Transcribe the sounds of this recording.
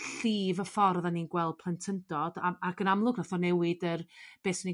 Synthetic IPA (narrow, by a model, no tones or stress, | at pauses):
ɬiːvəfɔrðaniːnɡwɛlˠd̚pʰlˠɛntʰəndɔd̥aaɡənamlˠʊɡnaθɔnɛwɪdərb̥eːsni